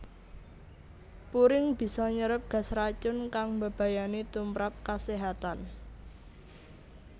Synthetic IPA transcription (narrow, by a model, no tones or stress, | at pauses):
puɾɪŋb̥i̤sɔɲəɾəp̚ɡ̥ä̤sɾat͡ʃʊnkaŋbə̤b̥a̤janit̪umpɾap̚kaseɦat̪an